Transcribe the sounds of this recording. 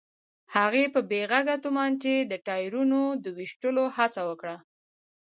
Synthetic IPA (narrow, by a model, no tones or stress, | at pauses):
haɣepəbeɣaɡat̪umɑnt͡ʃed̪əʈɑjɾunod̪əwiʃʈəlohat͡sawəkɽa